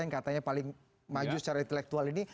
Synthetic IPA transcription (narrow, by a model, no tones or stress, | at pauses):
jnkat̪aɲapalɪŋ | mad͡ʒusə̥t͡ʃaɾaint̪ɛlɛk̚t̪ualini